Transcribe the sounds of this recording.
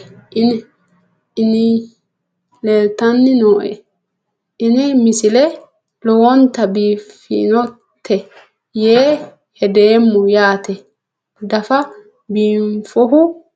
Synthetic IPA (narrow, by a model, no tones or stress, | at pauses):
ʔɪn | ɪnɪ | leːlt̪ɐnːɪnoːʔɛ̰ | ɪnɪmɪsɪlɛ | lɔwɔnt̪ɐbiːfḭnɔt̪ʰːɛ | jeː | hɛd̪eːmːʊjaːt̪ɛ | d̪ɐfɐ | biːɱfɔɦʊ